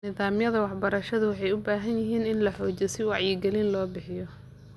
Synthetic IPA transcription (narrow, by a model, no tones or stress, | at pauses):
nɪðaːmjɐðɐwɑħbɐɾɐʃɐðʊwɑħɑjʊbaːɦɐnjɪɦiːnɪnlɐħɔːt͡ʃɛsɪwɑʕjɪɡɛlɪnlɔːbɪħɪjɔ